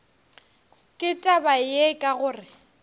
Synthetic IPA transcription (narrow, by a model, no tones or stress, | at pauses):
kʼɪtʼabajekʼaɣʊːrɪ